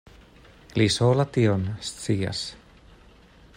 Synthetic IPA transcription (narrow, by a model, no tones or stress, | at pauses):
lisoːlat̪ionst͡siːa̰s